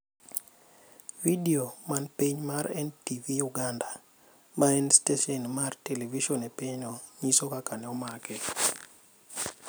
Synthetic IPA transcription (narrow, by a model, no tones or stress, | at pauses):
vidiomanpiɲmaɾɛntivijuɡanda | maɛnsteʃɔnmarteleviʃɔnepiɲɔɲisokakanɛɔmakɛ